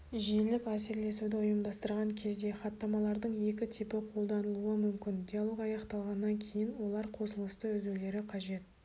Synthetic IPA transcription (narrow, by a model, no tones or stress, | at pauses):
ʒijelɪkʲæseɾle̞sud̪ɪʊjəmd̪ɑst̪əɾʁɑŋkʲʰe̞zd̪e̞χɑt̪ːɑmɑlˠɑɾd̪əɴje̞kʲɪt̪ʰɪpɪqʰo̞lˠd̪ɑnəlˠuəmʏmkʲɪnd̪ʲijalˠo̞kɑjɑqt̪ɑlˠʁɑnːɑŋkʲʰe̞jɪnwo̞lˠɑɾqʰo̞səlˠəst̪əʏzewle̞ɾɪqʰɑʒe̞t̪̚